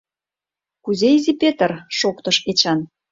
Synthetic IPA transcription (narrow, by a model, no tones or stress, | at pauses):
kuzeizʲipet̪ə̆rʃokt̪ɤ̆ʃet͡ɕɑn